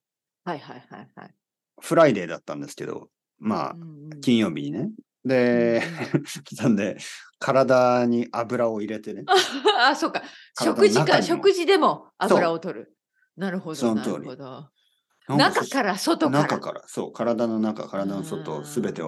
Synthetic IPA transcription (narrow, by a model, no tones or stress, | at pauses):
haihaiha̰iha̰i | ɸɯ̟ɾaid̪e̞ːd̪at̪ːãnd̪e̞sɨ̥ke̞d̪o̞̰ | ma̰ːkʲĩɰ̃jo̞ːbʲiɲ̟ine | d̪e̞ | nãnd̪e̞kʰaɾad̪aɲ̟iʔabɯ̟ɾao̞iɾe̞t̪e̞neaːso̞kːa | ɕoɯ̟ʑiakaaɕo̞kɯ̟ʑid̪e̞mo̞absoɯɾaot̪o̞ɾɯ̟ | naɾɯ̟hodsonot̪o̞ːɾʲḭd̪o | nonakakaɾasot̪onaɾkaka̰ɾa̰so̞̰ːkaɾad̪ano̞naka̰kaɾad̪ano̞so̞t̪osɨbe̞t̪e̞β